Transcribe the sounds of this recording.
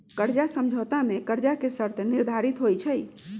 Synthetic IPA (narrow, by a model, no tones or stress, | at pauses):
kəɾd͡ʒasəmd͡ʒʱət̪amekəɾd͡ʒakesəɾt̪ʰniɾd̪ʱaɾit̪ɦojt͡ʃʰəj